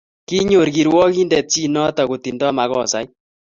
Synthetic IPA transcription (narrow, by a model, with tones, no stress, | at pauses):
ki˦ɲo˨ɾɡi˨ɾwɔ˦ki˦ndɛ˨p̚t͡ʃi˦nɔ˦tɔ˨ko˨ti˨ndɔ˦ma˨ɣɔ˨sa̰˦j